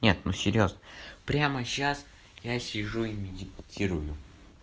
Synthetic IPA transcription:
nʲe̞t̪nusʲɪɾʲjo̞znəpɾʲaməɕas | jasʲɪʐuimʲɪdʲɪptʲiɾʊjʊ

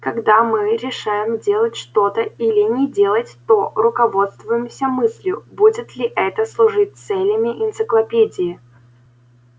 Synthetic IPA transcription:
kɐɡd̪amɨɾʲɪʂajɪmdʲe̞lˠətʲʂt̪o̞t̪əilʲɪnʲɪdʲe̞lˠətʲt̪orʊkɐvo̞t̪st̪vʊjɪmsʲəmɨsʲlʲjʊbudʲɪt̪lʲɪʔɛt̪əslˠʊʐɨt̚ʲt̪sɛlʲɪmʲɪʔɪnt̪sɨklˠɐpʲedʲɪɪ

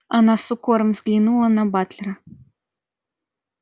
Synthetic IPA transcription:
ɐnasukɔɾɐmzɡlʲinulˠɐnɐbat̪lʲɛɾɐ

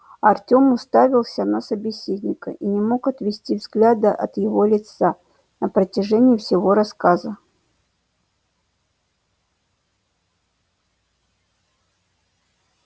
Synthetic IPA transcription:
ɐrtʲo̞mʊst̪avʲɪlˠsʲənəsəbʲɪsʲedʲnʲɪkə̰ʔinʲɪmo̞kɐt̪vʲɪsʲtʲivzɡlʲad̪əʔɐ̰t̪jɪvo̞lʲɪt̪sa | nəpɾətʲɪʐɛnʲɪjɪfsʲɪvo̞ɾɐskazə

